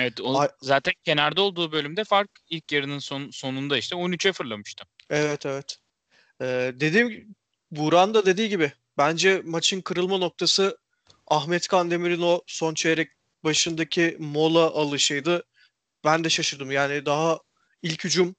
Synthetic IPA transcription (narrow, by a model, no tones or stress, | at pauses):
evɛt̪ozaːt̪ʰæncʰe̞næɾd̪ɛo̞lˠd̪uːbø̞lʲymd̪ɛfaɾk | ilʲcjeɾininsonso̞nund̪aiʃt̪ɛonyt͡ʃʰɛfɯɾlˠamɯʃt̪ʰɯɛvɛt̪ʰɛvɛt̪ | ɛːd̪e̞d̪iːm | buɾand̪ad̪e̞d̪iːɟibɪ | bænd͡ʒɛmat͡ʃʰɯnkʰɯɾɯlˠmanok̚t̪ʰasɯ | aɦmɛt̪kʰand̪e̞miɾino̞so̞nt͡ʃʰejeɾɛc̚ | baʃɯnd̪acʰimo̞lˠaʔalˠɯʃɯjd̪ɯ | bænd̪ɛʃaʃɯɾd̪ɯmjaːnɪd̪aɦa | ilʲchyd͡ʒum